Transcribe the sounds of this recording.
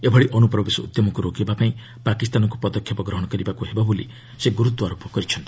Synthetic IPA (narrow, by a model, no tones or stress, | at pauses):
ebʱɔɽiʔɔnupɾɔbesɔ̰ṵd̪jɔmɔkuɾokebapaĩ | pakist̪anɔŋkupɔd̪ɔkʰːjɔpɔɡɾɔɦɔɽɔkɔɾibakuɦebabolḭ | seɡuɾut̪wɔaɾopɔkɔɾit͡ʃʰɔnt̪i̥